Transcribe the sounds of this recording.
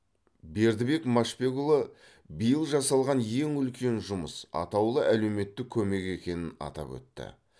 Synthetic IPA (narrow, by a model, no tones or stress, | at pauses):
be̞ɾd̪ɪbe̞kmaʃpʲe̞ɡulˠə | bijəlˠʒɑsɑlˠʁɑnje̞ŋʏlkʲʰe̞nʒʊməsɑ̰t̪ɑwlˠəʔæle̞wme̞t̪ːɪkʲʰɵme̞ke̞kʲe̞nɪnɑ̰t̪ɑ̰pwɵ̰t̪ːɪ̰